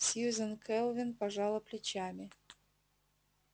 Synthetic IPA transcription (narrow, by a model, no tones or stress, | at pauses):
sʲizənkʰɛlˠvʲɪnpɐʐɑlˠəplʲɪt͡ɕamʲɪ